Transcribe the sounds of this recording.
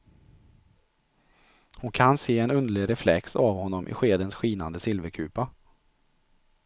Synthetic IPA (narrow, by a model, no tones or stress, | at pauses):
hʊnkʰanseːɛnɵnd̪əɭɪɾɛflɛ̰ksavhɔnːɔmʔɪ̰ɧeːd̪ənsɧiːnand̪əsɪlvəɾkʰʉːpa